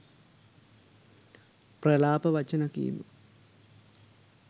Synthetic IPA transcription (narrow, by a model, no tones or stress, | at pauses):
prɐlaːpɐʋɐt͡ɕːɐnɐkːḭj̰nːṵ